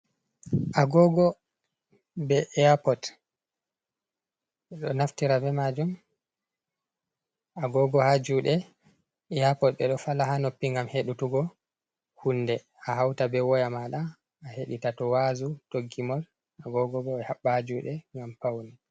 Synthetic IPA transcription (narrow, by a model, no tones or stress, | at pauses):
ʔaɡɔɡɔ | bɛʔɛapɔt | ɗɔnaftiɾabɛmad͡ʒum | ʔaɡɔɡɔhad͡ʒuɗɛ | ɛapɔtɓɛɗɔfalahanopːiŋɡamheɗutuɡɔ | hunːdɛ | aɦawtabɛwɔjamaɗaː | heɗitatɔwazutoɡːimɔl | ʔaɡɔɡɔɡɔɛhaɓːahad͡ʒuɗɛŋɡampawni